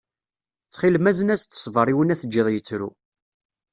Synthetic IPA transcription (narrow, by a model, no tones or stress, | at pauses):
t͡sːχilmæzənæst̪ːə̥sˤvəɾˤiwənæθəd͡ʒːiðˤjət͡sːɾṵ